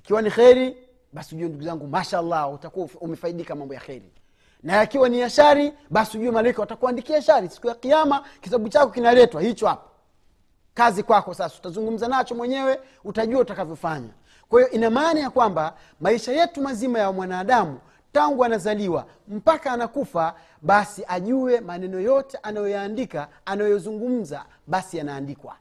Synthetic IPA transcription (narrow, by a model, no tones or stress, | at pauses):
ikiwanixɛɾi | ɓasiʄuwɛnduɡuzaŋɡumaʃaalˠːautakuwaumɛfaiɗikamambɔja̰xɛɾḭ | naikiwaniaʃaɾiɓasiuʄuamalaikawatakuandikiaʃaɾisi̥kujaqijamakitaɓut͡ʃakɔkinalɛtwahit͡ʃɔhapɔ̥ | kazikwakɔsasau̥tazuŋɡum̩zanat͡ʃɔmwɛɲɛwɛ | utaʄuautakavjɔfaɲa̰ | kwahijɔʔinamaːnajakwamba | maiʃajɛtumazimajawmwanaːɗamu | taŋɡuanazaliwa̰ | m̩pakaːnakufa | ɓasiʔaʄuwɛmanɛnɔjɔtɛʔanajɔjaːndikaanajɔjɔzuŋɡum̩za̰ | ɓasianaːndikwa̰